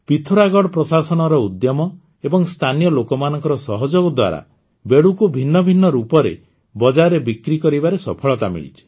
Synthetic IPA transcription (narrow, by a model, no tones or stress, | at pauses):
pit̪ʰuɾaɡɔɽɔpɾɔsasɔnɔɾɔud̪jɔmɔ | ebɔŋst̪ʰanijɔlokɔmanɔŋkɔɾɔsɔɦɔd͡ʒoɡɔd̪wa̰ɾa̰ | beɽukubʱinːɔbʱinːɔɾupɔɾḛ | bɔd͡ʒaɾebikɾikɔɾibaɾesɔpʰɔɭɔt̪amḭɭḭt͡ʃʰi̥